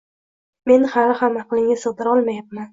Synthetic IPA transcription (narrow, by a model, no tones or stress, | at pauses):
me̞nhaɾɪhamːaqɨlˠɪŋʲasɨʁd̪ɪɾɒlˠmajap̚man